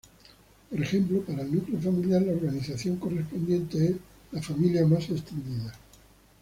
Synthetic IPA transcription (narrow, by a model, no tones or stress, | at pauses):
poɾe̞xe̞mplopaɾaelnukleo̞familjaɾlaoɾɣaniθaθjo̞ŋko̞re̞spo̞nd̪jẽ̞nt̪e̞ez | lafamiljamase̞st̪e̞nd̪iða